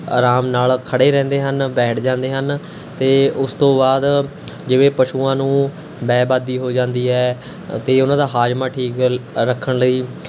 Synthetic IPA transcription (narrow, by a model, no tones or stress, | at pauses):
aːɾaːmnaːlkʰəɽeːɾɛ̃ːnd̪eːɦənbɛːʈʰd͡ʒãːnd̪eːɦən | t̪eːʊst̪õːbaːd̪ | d͡ʒɪʋẽːpəʃuːãːnũː | bɛːbaːd̪iːɦoːd͡ʒãːnd̪iːɦɛː | t̪eːʊnãːd̪aːɦaːd͡ʒmãːʈʰiːkɾəkʰːəɳləiː